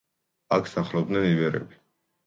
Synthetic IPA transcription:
akʰsaχlˠɔb̚d̪nɛnivɛɾɛ̰bi̥

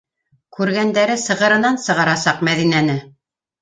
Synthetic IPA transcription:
kʉɾɡænd̪æɾɘsɤ̆ʁɤ̆ɾɤ̆nɑnsɤ̆ʁɑɾɑsɑqmæðinænɘ

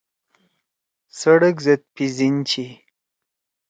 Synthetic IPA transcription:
səɽəkzet̪̚pizint͡ɕi

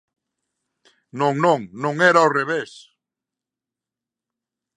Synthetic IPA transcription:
nõŋnõŋnõŋɛɾaoreβes

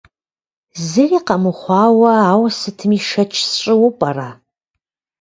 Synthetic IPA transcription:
zɨriːqɐmɨχʷɑːwɐaːwsɨtʰɨmiʂɐt͡ʃʰst͡ʃʼɪwʊpʼɐraː

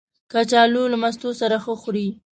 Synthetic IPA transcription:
kat͡ʃɑlolamas̬t̪osaɾaxəxɾi

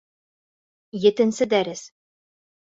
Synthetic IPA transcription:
jɘ̆t̪ɘ̆nsɘd̪æɾɘs

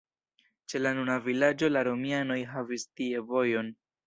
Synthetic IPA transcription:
t͡ʃe̞lanunavilad͡ʒo̞laɾo̞miano̞jɦavistie̞vo̞jo̞n

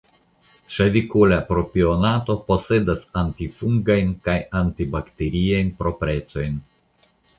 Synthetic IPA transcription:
ʃavikulapɾopionat̪opo̞se̞dasantifuŋɡajnkajantibakt̪eɾiajnpɾo̞pɾe̞t̪t͡so̞jn

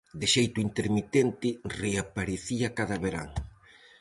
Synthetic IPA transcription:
d̪eʃejt̪oint̪eɾmit̪ent̪ɪreapaɾeθiakaðɐβeɾa̰ŋ

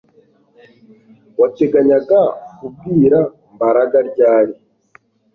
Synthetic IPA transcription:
wat͡ʃɛɡaɲaɡakubiɾa | mbaɾaɡaɾɟaːɾi

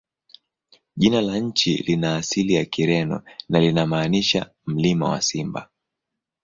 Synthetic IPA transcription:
ʄinalaɲ̩t͡ʃḭlinaːsilijakiɾɛnɔ̰nalinamaːniʃa̰ | m̩lima̰wa̰simba̰

